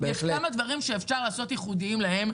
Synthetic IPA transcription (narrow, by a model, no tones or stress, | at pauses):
bejeʃkamad̪vaʁimʃeːfʃaʁlaːso̞t̪jɛχud̪iimlaɦe̞m